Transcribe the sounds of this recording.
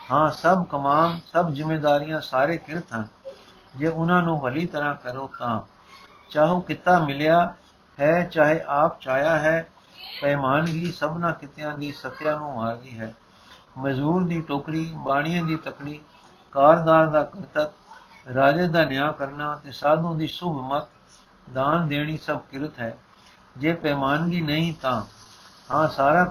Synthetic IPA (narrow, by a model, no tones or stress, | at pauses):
hãːsəbkəmaːmsəbzɪmːeːd̪aːɾɪjãːsaːɾeːkɪɾt̪ʰɦən | d͡ʒeːʊnãːnũːʋəliːt̪əɾãːkəɾoːt̪ãː | t͡ʃaːɦoːkɪt̪ːaːmɪljaː | hɛːt͡ʃaːɦeːʔaːpt͡ʃaːjaːɦɛː | pɛːmaːnɦiːsəbnãːkɪt̪ɪjãːd̪iːsət̪ːjãːnũːmaːɾd̪iːɦɛː | məzuːɾd̪iːʈoːkɾiːbaːɽ̃ɪjãːd̪iːt̪əkɽiː | kaːɾd̪aːɾd̪aːkət̪ət̪̚ɾaːd͡ʒəd̪aːnjaːkəɾnaːt̪eːsaːd̪õːd̪iːsʊbʱmət̪̚ | d̪aːnd̪eːɽ̃iːsəb̚kɪɾət̪ɦɛː | d͡ʒeːpɛːmaːnliːnəĩːt̪ãːhãːsaːɾaː